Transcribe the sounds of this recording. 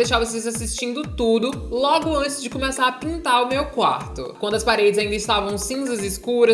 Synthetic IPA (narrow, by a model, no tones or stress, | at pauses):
d̪ejʃavɐsezasist͡ʃĩnd̪ʊt̪ud̪ʊlɔɡʊɐ̃t͡ʃɪzd͡ʒɪkomesaɾɐpĩnt̪aɾʊmewkwa̰ɾt̪ʊkwɐ̃d̪ʊɐspaɾed͡ʒɪzaĩnd̪ɐɪst̪avɐ̃w̃sĩzɐzɪskuɾɐ